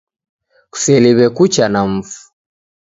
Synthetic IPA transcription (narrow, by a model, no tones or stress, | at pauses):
ku̥sɛliβɛkut͡ʃanam̩fu̥